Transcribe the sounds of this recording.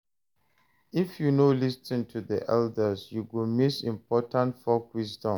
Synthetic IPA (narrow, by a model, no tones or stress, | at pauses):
ifjunolistĩntʰuðḭʔɛldəsjuɡilmisĩmpʰɔtãntfɔkwisdɔ̃m